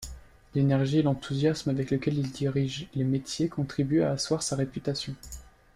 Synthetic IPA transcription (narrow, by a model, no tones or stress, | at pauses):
lenɛʁʒielɑ̃t̪ʰuzjasmavɛkləkʲɛlild̪iʁiʒlemet̪jekɔ̃t̪χibya̰ːswaʁsaʁepyt̪asjɔ̃